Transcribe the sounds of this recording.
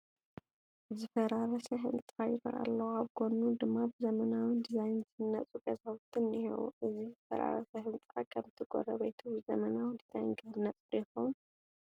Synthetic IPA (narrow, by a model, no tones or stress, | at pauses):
zɨfɐɾaɾɐsɐɦɨ̰nt̪ʼajɪɾa̰lːɐwaβɡonud̪ɨmːabzɐmɐnawɨnd̪izajnzɨnːɐt͡sʼuɡɐzawt̪ʰɨnihḛwṵʔɨzizɨfɐ̰ɾa̰ɾɐsɐɦɨnt͡sʼɾɐkʰɐmɨt̪ʰɨɡo̰ɾɐβejt̪ʰubɨzɐmɐnawɨnd̪izajnɡɨhɨnːɐt͡sʼjɪxon